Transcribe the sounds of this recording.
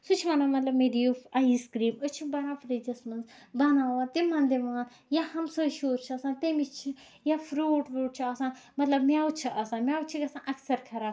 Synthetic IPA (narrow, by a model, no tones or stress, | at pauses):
sut͡ʃʰiʋɐnãːmɐt̪lɐbmeːɾijufaiskɾiːmʊt͡ʃʰibɐnaːfʰɾid͡ʒɐsmɐnz | bɐnãːʋãːt̪emɐ̃nd̪eʋãːn | jahɐmsoʃoːɾt͡ʃʰɐsãːt̪emit͡ʃʰi | jafʰɾuːʈʋuːʈ̚t͡ʃʰiɐsãːmɐt̪lɐbmjaːut͡ʃʰiʔɐsãːmjaːut͡ʃʰikɐsãːʔɐksɐɾkʰɐɾaː